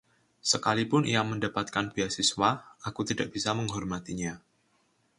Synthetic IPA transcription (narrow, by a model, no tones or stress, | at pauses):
səkalipʊnʔijaməndapat̪̚kanbiasiswaakut̪idaʔ̚b̥isaməŋɦɔrmat̪iɲa